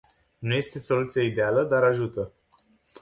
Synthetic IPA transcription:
nuje̞st̪e̞so̞lut̪sijeid̪e̞aləd̪aɾaʒut̪ə

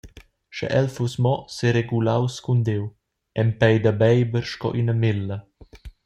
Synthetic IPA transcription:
ʃɛ̰ʔɛlfusmɔseɾeɡulawskund̪ew | ɛmpɛjd̪abɛjbəɾʃkɔ̰ʔinəmelːɐ

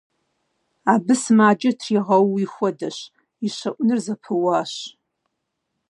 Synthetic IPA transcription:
aːbɨsmaːd͡ʒɐtʰriʁɐwixʷɔdɐɕ | iɕɐʔʷʊnɨrzɐpʰɨwaːɕ

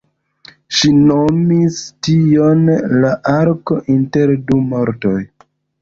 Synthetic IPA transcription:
ʃinomistijonlaʔaɾkoʔinte̞ɾdumoɾtoj

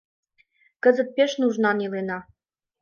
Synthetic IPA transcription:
kə̆zə̆t̪̚peʃnuʒnɑnilenɑ

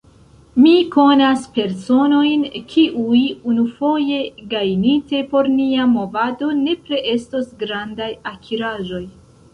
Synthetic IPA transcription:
miko̞naspe̞ɾso̞no̞jnkʰiʔujunufo̞je̞ɡajnite̞po̞ɾniamo̞vado̞ne̞pɾe̞ʔe̞sto̞sɡɾandajakʰiɾaʒo̞j

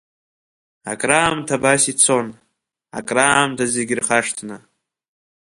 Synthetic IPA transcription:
a̰kʼraːmtʰabasit͡sʰon | a̰kʼraːmtʰazeɡʲrχaʂtʰnɨ

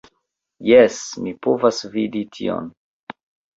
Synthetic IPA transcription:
jesmipovasviditʰḭo̰n

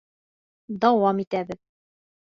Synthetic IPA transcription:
d̪ɒwɑmit̪æbɘð

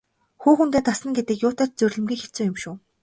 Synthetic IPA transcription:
xuːxunt̪eːt̪asə̆nɡet̪ɘ̆kjʊːt̪aːt͡ɕ̚t͡sɵrʲɮʲɘ̆mɡʲiːkxet͡suːjʊmʃʊː

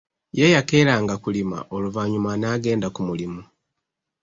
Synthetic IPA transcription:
jejake̞ɾaːŋɡakulima̰ʔo̞luvaɲumanaːɡe̞ːndakumulimu

